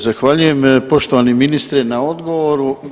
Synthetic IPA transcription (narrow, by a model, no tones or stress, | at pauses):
zaxʋaʎuje̞mpo̞ʃt̪oʋaneminist̪ɾɛnao̞d̪ɡo̞ʋo̞ɾu